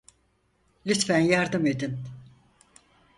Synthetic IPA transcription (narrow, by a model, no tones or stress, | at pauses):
lʲyt̪fænjaɾd̪ɯme̞d̪in